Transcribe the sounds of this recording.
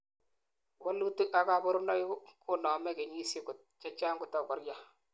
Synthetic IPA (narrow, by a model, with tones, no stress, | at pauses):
wɔ˦lu˦tu˦ʔa˨ka˨bʊ˦ɾʊ˦nɔ˦jkʊ˦nɔ˨mɛ˦ke˨ɲi˦sɪ˦kʊ˨t̚t͡ʃa˦t͡ʃaː˦ŋɡʊ˦˨tɔ˦kɔ˨ɾja˦